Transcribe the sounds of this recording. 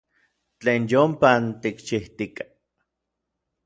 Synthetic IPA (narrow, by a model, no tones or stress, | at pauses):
t͡ɬeːnjompant̪ikt͡ʃiht̪ikḁ